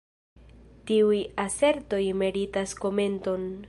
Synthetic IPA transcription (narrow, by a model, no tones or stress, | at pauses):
tiujase̞ɾto̞jme̞ɾitasko̞me̞nto̞n